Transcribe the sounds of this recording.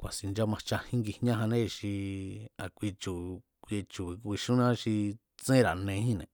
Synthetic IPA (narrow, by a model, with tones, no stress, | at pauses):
kʷa˨si˨nd͡ʒa˦mã˧t͡ʃa˧hĩ˦ŋɡi˧hɲã˦ɦã˧nẽ˦˧˨ʃi˧a̰˨kʷi˧t͡ʃu˨ | kʷe˧t͡ʃu˨i˧kʷi˧ʃũ˦nã˦ʃi˧ | t͡sẽ˦ɾa˨nẽ˧hĩ˦nḛ̃˨